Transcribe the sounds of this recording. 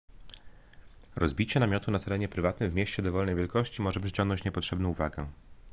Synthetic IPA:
ɾɔzbʲit͡ɕɛnamʲjɔt̪unat̪ɛɾɛɲɛpɾɘvat̪nɘmvmʲjeɕt͡ɕɛd̪ɔvɔlnɛjvʲjɛlkɔɕt͡ɕimɔʐɛpʂɘ̥t͡ɕɔŋɡnɔ̃ɲt͡ɕɲɛpɔtʂɛbnɔ̃w̃uvaɡɛ

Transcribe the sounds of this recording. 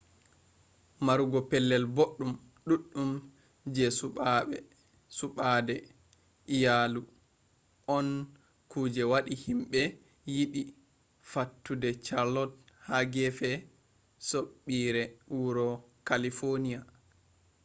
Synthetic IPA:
maɾuɡɔpɛlːɛlboɗːum | ɗuɗːum | d͡ʒɛsuaɛ | suɓadɛ | ijalu | ʔɔn | kuːd͡ʒɛwaɗihimɓɛ | jiɓi | fatːudɛt͡ʃaɾlɔt̚haɡɛfɛ | soɓːiɾɛuɾɔkalifonija

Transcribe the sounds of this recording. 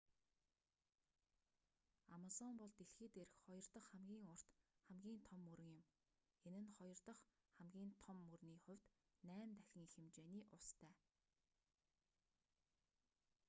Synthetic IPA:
amasɔmpɔɮt̪eɬxɘ̆t̪eɾɘ̆xχɔjɞ̆r̥t̪ɞ̆χχæmɡʲiːŋʊr̥t̪χæmɡʲiːnt̪ʰɔmːɵɾɵ̆ŋjɪ̆m | enɘ̆nχɔjɞ̆rt̪ɞ̆χ | χæmɡʲiːnt̪ʰɔmːɵrniːχʊ̟wʲt̪ | næːmt̪æxʲɪ̆ŋixĕmt͡ɕeːniːʔʊst̪ʰæː

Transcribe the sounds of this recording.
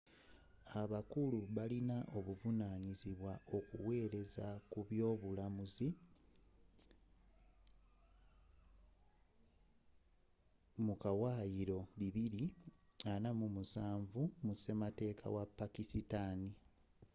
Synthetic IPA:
aβakuluβalinaʔo̞βuvunaːɲiziβwaʔo̞kuwe̞ːɾe̞zakuβjo̞ːβulamuzi | mukawaːjiɾo̞βiβiɾianamumusaːɱvumuse̞mate̞ːkʰa̰wapːakisitani

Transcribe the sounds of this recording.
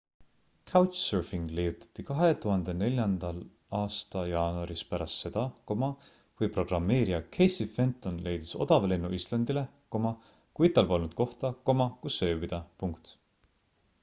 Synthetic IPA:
kʰɑwt͡ʃsørfiŋɡ̥lejut̪ːˑɑ̥t̪ːˑikɑɦe̞t̪uɦɑnd̪̥e̞ne̞lʲjɑnd̪ɑl | ɑːst̪ɑjɑːnuɑɾispæɾɑst̪se̞d̪̥ɑko̞mɑ | vujpro̞ɡ̥rɑmːe̞ːɾiɑkʰe̞jsife̞nt̪ːˑo̞nle̞jd̪̥e̥so̞̰d̪̥ɑvelenːuʔist̪lɑnd̪ile | ko̞mɑ | kuit̪ːˑɑlpo̞lnud̪̥̚ko̞ht̪ɑko̞mɑkusːø̞ːvid̪̥ɑpuŋkt̪

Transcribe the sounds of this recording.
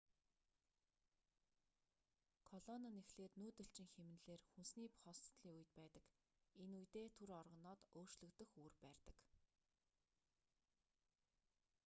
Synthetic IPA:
kʰɔɮɔnanexɮeːt̪nuːt̪ɵ̆ɬt͡ɕɪ̆ŋxemɘ̆nɮeːrxunsniːpʊ̥χɔːst̪ɮiːuj̆t̪̚pæːt̪ə̆k | enujt̪eːt̪ʰuɾɔrʁɞ̆nɔːt̪oːr̥t͡ɕɮɵ̆kt̪ɵ̆xuːrpæːrt̪ə̥̆k

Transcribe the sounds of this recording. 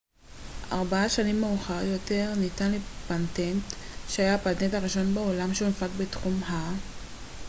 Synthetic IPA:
ʔa̰ʁbaaʃanimːeuχaʁjo̞te̞ʁnitanlepantentʃeajapatentaʁiʃo̞nbeolamʃeumafakbetχumɦa

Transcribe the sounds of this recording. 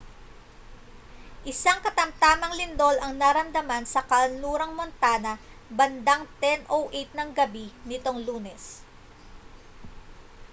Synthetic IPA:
ʔɪsaŋkɐt̪ɐmt̪aːmɐŋlɪnd̪o̞lɐŋnɐɾɐmd̪ɐmansɐkɐlnuːɾɐŋmont̪aːnɐ | bɐnd̪aŋt̪ɛnʔowʔejt̪̚nɐŋɡɐbinɪt̪o̞ŋluːnɛs

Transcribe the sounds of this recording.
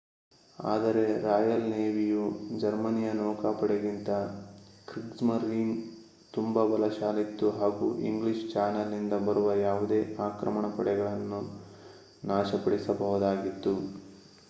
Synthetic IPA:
a̰ːd̪ɐɾe̞ɾaːjɐlneːʋijud͡ʒɐɾmɐnijɐnɔːkaːpɐɽeɡint̪ɐkɾiksmɐɾːiːm | t̪umbɐbɐlɐʃaːlit̪ːuɦaːɡṵʔḭŋɡliʃt͡ʃaːnɐlnind̪ɐbɐɾuʋɐjaːʋud̪e̞ːʔaːkɾɐmɐɳɐpɐɽɛɡɐɭɐnːu | naːʃɐpɐɽisɐbɐɦud̪aːɡit̪ːu

